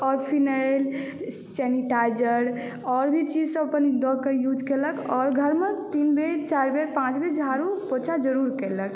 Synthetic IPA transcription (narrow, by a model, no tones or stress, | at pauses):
ɔɾpʰinajl | sɛniʈad͡ʒəɾ | ɔɾbʱit͡ʃid͡ʒsə̃əpənd̪ɔkejud͡ʒʱkeləkɔɾɡʱəɾmet̪inbet͡ʃaɾbeɾpãt͡ʃbed͡ʒʱaɾupot͡ʃʰad͡ʒəɾuɾkelək